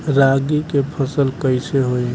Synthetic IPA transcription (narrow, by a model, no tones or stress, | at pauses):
ɾaɡikepʰəsəlkəɪseɦoi